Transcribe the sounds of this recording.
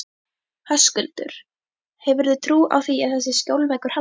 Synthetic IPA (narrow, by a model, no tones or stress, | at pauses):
haskʏlt̪ʏ̰ɾ̥ | hɛvʏɾðʏt̪ʰɾuːʔa̰wθiaðθɛsːɪscjowlvɛjkʏɾ̥ha